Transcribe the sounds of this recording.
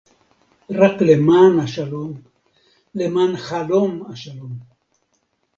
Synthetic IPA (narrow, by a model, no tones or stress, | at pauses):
raklemaːnaʃalom | lemaːnχalomaʃalom